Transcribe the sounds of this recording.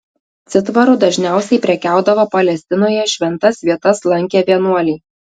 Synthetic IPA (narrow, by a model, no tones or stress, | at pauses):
t̪sʲɪt̪ʋɐɾʊd̪ɐʒʲnʲæˑʊsʲɛɪpʲɾʲɛkʲæˑʊd̪ɐʋoːpɐlʲɛsʲt̪ʲɪnoːjɛʃʲʋʲɛnt̪ɐsʋʲiɛt̪ɐslˠɐŋʲkʲɛʋʲiɛnuɔlʲiː